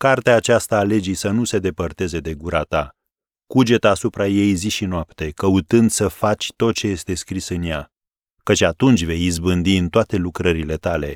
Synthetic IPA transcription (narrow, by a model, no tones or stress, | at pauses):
kart̪eaːt͡ʃast̪aːle̞d͡ʒisənuse̞d̪e̞pərt̪e̞ze̞d̪e̞ɡuɾat̪a | kud͡ʒe̞t̪aːsupɾaje̞jziʃinoap̚t̪e̞kəut̪ɨnd̪səfat͡ʃʲt̪o̞t̪̚t͡ʃe̞je̞st̪e̞skɾisɨnja | kət͡ʃʲat̪unt͡ʃʲve̞jizbɨnd̪iɨnt̪oat̪e̞lukɾəɾile̞t̪ale̞̰